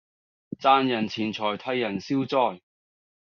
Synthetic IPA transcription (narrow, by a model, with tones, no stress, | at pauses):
t͡saː˧njɐ˨˩nt͡sʰiː˨˩nt͡sʰɔː˨˩jt̪ʰɐ˧jːɐ˨˩nsiː˥wt͡sɔː˥˩j